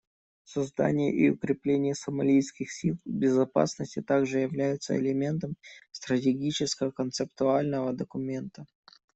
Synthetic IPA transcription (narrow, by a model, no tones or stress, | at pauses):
sɐzd̪a̰nʲɪjə̰ʔɪʊ̰kɾʲɪplʲenʲɪjəsəmɐlʲijskʲɪxsʲilˠbʲɪzɐpa̰snəsʲtʲɪt̪aɡʐɨjɪvlʲæjʊt̪sə̰ɪ̰lʲɪmʲe̞nt̪əmst̪ɾətʲɪɡʲit͡ɕɪskəvəkənt̪sɨp̚t̪ʊalʲnəvəd̪əkʊmʲe̞nt̪ə